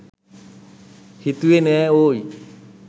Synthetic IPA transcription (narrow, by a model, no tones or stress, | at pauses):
hit̪uenɛoi